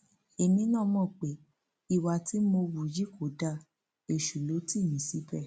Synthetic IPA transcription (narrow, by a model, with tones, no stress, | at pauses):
e˨mĩ˧˦nã˦˨mɔ̃˦˨k͡pe˨˦ | i˧˨wa˧ti˨˦mo˧wu˨d͡ʒi˦kʰo˨˦da˦˧˨ | e˧˨ʃu˨lo˨˦ti˦˨nĩ˨˦si˨˦bɛ˦˨